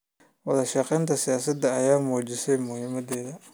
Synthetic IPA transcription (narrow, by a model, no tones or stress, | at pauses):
wɐðɐʃɑqɛjnt̪ʰɐsɪjaːsɐd̪ɐːjaːmuːd͡ʒɪsɛjmʊhɪmɐd̪ɛːðɐ